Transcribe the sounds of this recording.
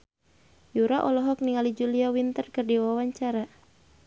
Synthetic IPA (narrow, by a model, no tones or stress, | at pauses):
juɾaʔɔlɔɦɔk̚niŋalid͡ʒuliawint̪ərkərdiwawaɲt͡ʃaɾa